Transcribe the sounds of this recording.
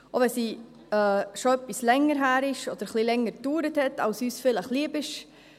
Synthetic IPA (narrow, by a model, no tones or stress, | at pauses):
ovɛsi | ɛːʃoœpːislɛŋəɾɦæːɾɪʃɔd̥̪əɾχlilɛŋːəɾd̥yːɾəthɛtɑlsyːsfɪləχliːəbɪʃ